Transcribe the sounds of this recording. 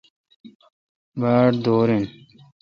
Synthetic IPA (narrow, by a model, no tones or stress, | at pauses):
baːʈd̪oːɾin